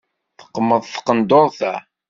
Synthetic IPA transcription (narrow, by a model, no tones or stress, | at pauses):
θə̥qːmːəðˤθə̥qːənd̪oˤθæ